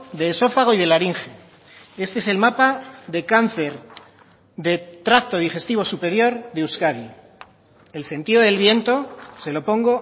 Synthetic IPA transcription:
ðe̞so̞faɣ̞o̞ið̞e̞laɾiŋxe | e̞st̪eese̞lmapaðe̞kan̟θe̞ɾ | ðe̞t̪ɾakt̪o̞ð̞ixe̞st̪iβ̞o̞supe̞ɾjo̞ɾðeuskaði | else̞nt̪iðo̞ðe̞lβje̞nt̪o̞se̞lo̞po̞ŋɡo̞

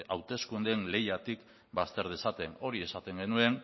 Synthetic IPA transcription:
awt̪e̞skund̪enle̞jat̪ik | bast̪e̞ɾðesat̪e̞no̞ɾie̞sat̪e̞ŋɡe̞nue̞n

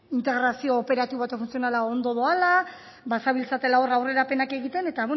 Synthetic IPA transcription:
int̪e̞ɣɾasio̞ːpe̞ɾat̪iβat̪ofunt͡sio̞nalao̞nd̪o̞ðo̞ala | basaβilsat̪e̞lao̞rawre̞ɾape̞nake̞ɣit̪e̞ne̞t̪aβe

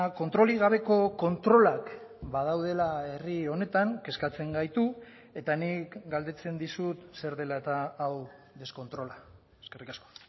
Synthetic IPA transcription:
ko̞nt̪ɾo̞liɣ̞aβ̞e̞ko̞ko̞nt̪ɾo̞lakbað̞awð̞e̞lae̞rio̞ne̞t̪aŋke̞skat͡se̞ŋɡajt̪u | e̞t̪anikɡald̪e̞t͡se̞nd̪isut̪se̞ɾðe̞laet̪aːw | ðe̞sko̞nt̪ɾo̞la | eskerikasko̥

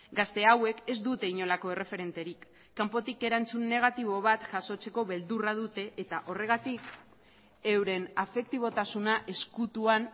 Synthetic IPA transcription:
ɡast̪e̞awe̞ke̞zd̪ut̪e̞iɲo̞lako̞e̞re̞fe̞ɾe̞nt̪e̞ɾikː | ampo̞t̪ike̞ɾant͡sunːe̞ɣ̞at̪iβ̞o̞β̞at̪ʝaso̞t͡se̞ko̞βe̞ld̪uraðut̪e̞ʔet̪aʔo̞re̞ɣ̞at̪ik | e̞wɾe̞nafe̞k̚t̪iβ̞o̞t̪asunaʔe̞skut̪uan

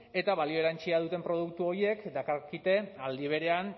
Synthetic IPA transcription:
e̞t̪aβalio̞eɾant͡ʃiaðut̪e̞mpɾo̞ðukt̪uo̞ɾie̞kd̪akaɾkit̪e̞ald̪iβ̞e̞ɾe̞an

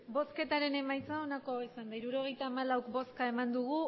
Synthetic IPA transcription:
bo̞ske̞t̪aɾe̞ne̞majt͡sao̞nakoisand̪aiɾuɾo̞ɣ̞e̞jt̪aːmalawkbo̞skae̞mand̪uɣ̞u

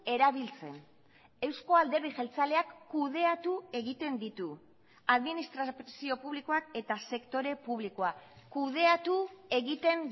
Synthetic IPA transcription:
e̞ɾaβ̞ilt͡se̞̰n | e̞wsko̞ald̪e̞riʝelt͡sale̞akːuð̞e̞at̪ue̞ɣit̪e̞nd̪it̪u | aðminist̪ɾasio̞puβliko̞ake̞t̪ase̞kt̪o̞ɾe̞puβ̞liko̞akuð̞e̞at̪ue̞ɣit̪e̞n

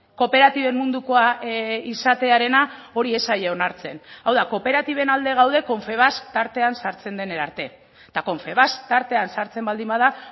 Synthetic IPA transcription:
ko̞pe̞ɾat̪iβe̞mːund̪uko̞aisat̪e̞aɾe̞nao̞ɾie̞sajeo̞naɾt͡se̞nawðako̞pe̞ɾat̪iβe̞nald̪e̞ɣ̞awðe̞ko̞ɱfe̞βast̪aɾt̪e̞ansaɾt͡se̞nd̪e̞ne̞ɾaɾt̪e̞ | t̪ako̞ɱfe̞βast̪aɾt̪e̞ansaɾt͡se̞mbald̪imbað̞a

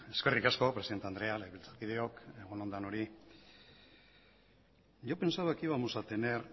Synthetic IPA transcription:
eske̞rikasko̞pɾesiðent̪eand̪ɾe̞aleβilt͡sat̪kiðeo̞keɣ̞onond̪ano̞ɾi | ʝope̞nsaakiβamosat̪ener

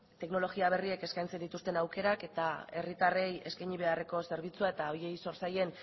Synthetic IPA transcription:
t̪e̞kno̞lo̞ɣiaβ̞e̞rie̞ke̞skajnt͡se̞nd̪it̪ust̪e̞nawke̞ɾake̞t̪ae̞̰rit̪are̞je̞skajɲiβ̞e̞are̞ko̞se̞ɾβ̞it͡suae̞t̪aoje̞jso̞ɾsaje̞n

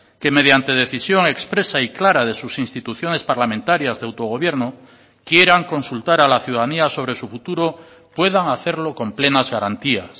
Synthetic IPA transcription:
ke̞me̞ð̞jant̪e̞ð̞e̞θisjo̞ŋe̞kspɾe̞saiklaɾað̞e̞susinst̪it̪uθjo̞ne̞spaɾlamẽnt̪aɾjazðeawt̪o̞ɣ̞o̞βje̞ɾno | kje̞ɾaŋko̞nsult̪aɾalaθjuðaðaniaso̞β̞ɾe̞sufut̪uɾo̞ | pwe̞ð̞aŋaθe̞ɾlo̞ko̞mple̞nazɣaɾant̪ias

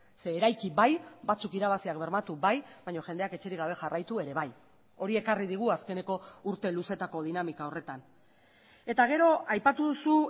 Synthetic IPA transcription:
se̞ːɾajkiβajbat͡sukiɾaβasiakbe̞ɾmat̪uβajβajɲo̞ʝe̞nd̪e̞ake̞t͡ʃe̞ɾiɣaβ̞e̞ʝarajt̪ue̞ɾe̞βaj | o̞ɾie̞kariðiɣ̞uaske̞ne̞ko̞uɾt̪e̞luse̞t̪ako̞ð̞inamikao̞re̞t̪an | e̞t̪aɣ̞e̞ɾo̞ajpat̪uðusu

